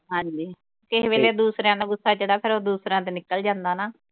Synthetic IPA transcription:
ɦãːɲd͡ʒiː | kɪɦʋeːleːd̪uːsɾjãːd̪aːɡʊsːaːd͡ʒəɽaːpʰɪɾoːd̪uːsɾãːt̪̬eːnɪkːəld͡ʒãːnd̪aːnaː

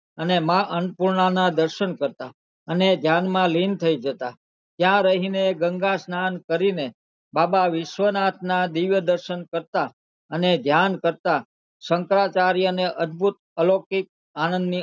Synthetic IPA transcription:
ənemãʔənpuɾɳanad̪əɾʃənkəɾt̪a | əned̪ʱjanmãlint̪ʰəid͡ʒət̪a | t̪jãɾəɦineɡəŋɡasnankəɾine | babaʋɪʃʋənat̪ʰnad̪iʋjəd̪əɾʃənkəɾt̪a | əned̪ʱjankəɾt̪a | səŋkɾat͡ʃaɾiəneʔəd̪̚bʱut̪̚əlokik̚ | anənd̪ni

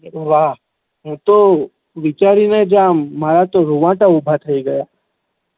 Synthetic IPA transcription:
ʋaːɦ | ɦũt̪o | ʋɪt͡ʃaːɾined͡ʒaːmːaːɾat̪oɾuʋãːʈaʊbʱat̪ʰəiɡɐjaː

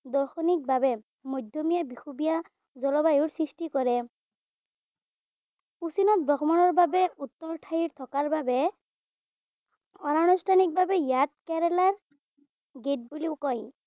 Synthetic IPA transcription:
dɔɹxɔnik̚babɛ | mɔjdʱjɔmijabixubija | zɔlɔbajʊɹsɹistikɔɹɛ | usinɔt̪̚bɹɔɡɔmanɔɹbabɛut̪ːɔɹtʰajiɹt̪ʰɔkaɹbabɛ | ɔnanustʰanik̚babɛjat̚kɛɹɛlaɹ | ɡet̚buliʊkɔj

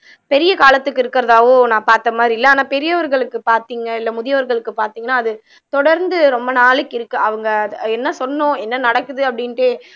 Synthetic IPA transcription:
pɛɾɪjɐkaːlɐt̪ːɯkːɪɾɯkːɪɾɐðaːɣõːnãːpaːɾt̪ːɐmaːd̪ɾiɪlːɐaːnaːpɛɾɪjɐʋɐɾɣɐɭɯkːɯpaːɾt̪iːŋɡɐɪlːɐmʊðɪjɐʋɐɾɣɐɭɯkːɯpaːɾt̪iːŋɡɐnːaːɐðɯ | t̪ɔɽɐɾnd̪ɯɾɔmbɐnaːlɯkːɪɾɯkːɯɐʋɐŋɡɐɛnːɐsɔnːõːɛnːɐnɐɽɐkːɯðɯɐpːɐɽɪnʈeː

